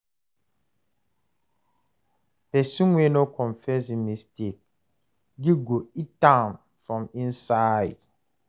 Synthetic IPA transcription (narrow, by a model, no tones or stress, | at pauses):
pɛsũnwɛnɔkʰɔ̃ɱfɛsimistek̚ | ɡiɡoitãm | fɾɔ̃mĩnsaɪd